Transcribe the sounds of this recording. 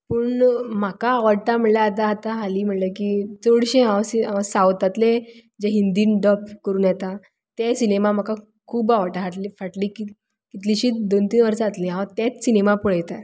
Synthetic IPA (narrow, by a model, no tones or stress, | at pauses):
pəːɳm̤akaːʋaɽt̪am̤əɳljaat̪̬aɦat̪aɦaliːm̤əɳləkit͡soɽɕẽɦãwsiasawt̪at̪led͡ʑeɦind̪iːnɖɔpkəɾuːnjet̪a | t̪esinemam̤aka | kʰuːbaʋaɽʈ̪aɦaʈlifaʈliki | kit̪liɕiːd̪ont̪iːnʋəɾsaːt̪lĩɦãt̪et͡ssinemapuɭ̤ajt̪a